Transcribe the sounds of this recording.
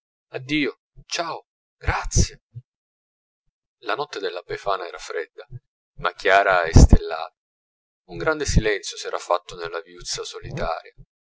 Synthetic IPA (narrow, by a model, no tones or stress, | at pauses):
ad̪ːiːo | t͡ʃaːo | ɡ̥ɾat̪sje | lanɔt̪ːed̪elːabefaːnaɛːɾafɾɛd̪ːa | makːjaːɾaɛst̪elːa̰ːt̪a | uŋɡɾand̪esilɛnt̪sjosɛːɾafːat̪ːonelːaviut̪sːasolit̪a̰ːɾja